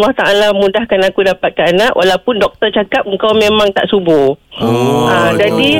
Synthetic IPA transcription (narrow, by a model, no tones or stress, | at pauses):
lːaht̪aʔalamũdahkanakudapat̪̚kaanaʔwʔalawpʊndɔk̚t̪ərt͡ʃakap̚əŋkawmemãŋt̪a̰ʔsubʊ | ad͡ʒadi